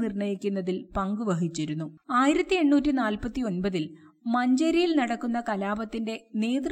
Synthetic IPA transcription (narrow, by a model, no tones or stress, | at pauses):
nirɳɐjikʲːunːɐðilpɐŋɡuʋɐɦit͡ɕːiɾunːuaːjiɾɐt̪ːie̞ɳːuːtːinaːlpɐt̪ːio̞nbɐðil | mɐɲd͡ʑɐɾijilnɐɽɐkːunːɐkɐlaːbɐt̪ːinde̞ne̞ːd̪r